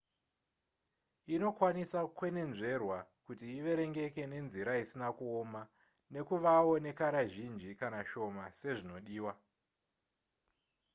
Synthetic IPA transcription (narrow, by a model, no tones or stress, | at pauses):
ino̞kwanisakwe̞ne̞nʐe̞rwakutiːʋe̞ɾe̞ŋɡe̞ke̞ne̞nziɾaisinakuoma | ne̞kuʋawo̞ne̞kaɾaʒind͡ʒikanaʃo̞mase̞ʐino̞ɗiːwa